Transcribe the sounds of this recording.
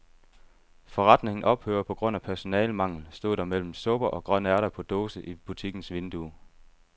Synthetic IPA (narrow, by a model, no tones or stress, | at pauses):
fɒ̽ʁɑ̈d̥ne̝ŋn̩ʔɒ̽b̥hø̰ːɐpʰɒ̽ɡ̥ʁɔ̽n̰æpʰæɐso̝nɛːlmɑ̈ŋ̰l̩sd̥o̝̰ð̰ˠd̥ɑ̈mel̰m̩sɔ̽b̥ɐʔɒ̽ɡ̥ʁɶn̰æɐɾɐpʰɒ̽d̥o̝ːsəʔib̥ut͡sʰiɡ̥n̩sʋe̝nd̥u